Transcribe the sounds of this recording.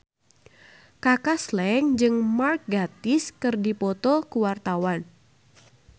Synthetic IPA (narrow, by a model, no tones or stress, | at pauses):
kakaslɛŋd͡ʒɨŋmark̚ɡat̪ɪskɨrdipɔt̪ɔkuwart̪awan